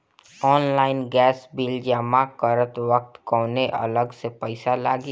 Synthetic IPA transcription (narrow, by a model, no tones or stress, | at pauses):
ɔːnlaːɪnɡɛːsbiːld͡ʒaːmãkəɾət̪ʋək̚t̪kɔːneʔɐ̰ləɡsepəɪsalaːɡi